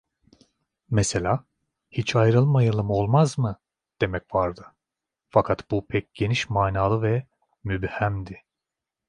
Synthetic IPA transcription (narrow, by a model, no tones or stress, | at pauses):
mɛse̞lʲaː | hit͡ʃʰajɾɯlˠɯmajalˠɯmo̞lˠmazmɯ | d̪̥e̞mɛcvaɾd̪ɯ | fakʰat̪bupʰɛc̚ɟ̥e̞niʃmaːnaːlˠɯvɛ | mybhæmd̪ɪ